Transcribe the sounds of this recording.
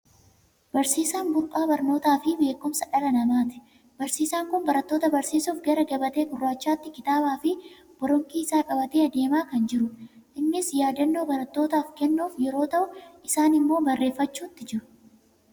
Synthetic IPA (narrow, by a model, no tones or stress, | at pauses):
bɐɾsiːsaːnbʊɾpʼaːbɐɾno̞ːt̪aːfɪbe̞ːkːʊmsɐᶑɐlɐnɐmaːt̪ɪ̥ | bɐɾsiːsaːŋkʊnbɐɾɐt̪ːo̞ːt̪ɐbɐɾsiːsuːfɡɐɾɐɡɐbɐt̪e̞ːɡʊrːaːt͡ʃːaːt̪ːɪkɪt̪aːbaːfɪ | b̥ɔɾɔŋkiːɪsaːkʼɐbɐt̪eːɐd̪e̞ːmaːkɐnd͡ʒɪɾʊ | ʔɪmːɪsjaːd̪ɐnːoːbɐɾɐt̪ːo̞ːt̪aːfkɛnːuːfjɛɾo̞ːt̪ɐʔʊɪsaːnɪmːo̞ːbɐrːe̞ːfːɐt͡ʃːuːt̪ːɪd͡ʒɪɾʊ̥